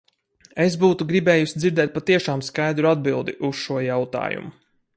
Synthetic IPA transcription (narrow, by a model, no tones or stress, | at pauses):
esbuːt̪uɡɾibɛːjusid̪ziɾd̪ɛːt̪̚pat̪iɛʃaːmskajd̪ɾuad̪̚bilˠd̪iʔusʃuɔjawt̪a̰ːjṵmu